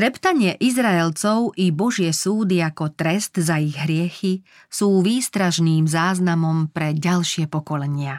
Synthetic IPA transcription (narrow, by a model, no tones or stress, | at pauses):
t̪ɾɛpt̪aɲɪɛʔizɾaɛlt͡sɔʊʔibɔʒɪɛsuːd̪iakɔt̪ɾɛst̪zaiɣɦɾɪɛxi | suːʋiːst̪ɾaʃniːmzaːznamɔmpɾɛɟalʃɪɛpɔkɔlɛɲɪa